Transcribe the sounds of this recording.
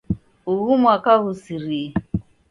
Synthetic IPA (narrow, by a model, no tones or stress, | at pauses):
uɣumwakaɣusiɾi